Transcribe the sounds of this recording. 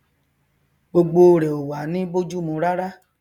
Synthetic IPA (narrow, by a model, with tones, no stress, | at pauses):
ɡ͡bo˧ɡ͡bo˧ɾe˨o˨wa˨˦nĩ˦bo˦d͡ʒu˦mũ˧˦ɾa˦ɾa˦